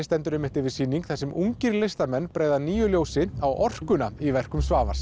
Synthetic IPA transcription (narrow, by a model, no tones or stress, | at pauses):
st̪ɛnt̪ʏɾɛmɪht̪ɪvɪsiːnːiŋkθɛsɛmuŋcɪɾlɪst̪aɾmɛnːpɾeːjðaniːjʏljoːwsɪawʔɔr̥kʏnaivɛr̥kʏmsvaːvḁs